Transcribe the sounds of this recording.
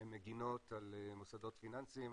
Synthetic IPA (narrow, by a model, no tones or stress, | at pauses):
mːeɡino̞t̪alemosad̪o̞t̪finansim